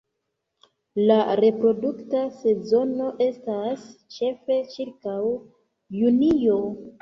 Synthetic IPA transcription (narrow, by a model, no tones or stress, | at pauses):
laɾe̞pɾo̞duktase̞zo̞no̞ʔe̞stast͡ʃe̞fe̞t͡ʃiɾkaw | junijo̞